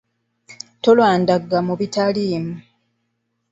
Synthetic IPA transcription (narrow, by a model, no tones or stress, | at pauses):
to̞lwaːndaɡːamuβitaliːmu